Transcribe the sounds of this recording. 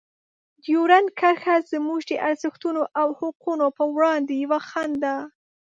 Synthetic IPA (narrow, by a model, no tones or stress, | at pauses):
d̪joɾankaɾxazəmuʒd̪əʔaɾzəxt̪unoʔawhʊqunopəwɽɑnd̪ejawaxand̪a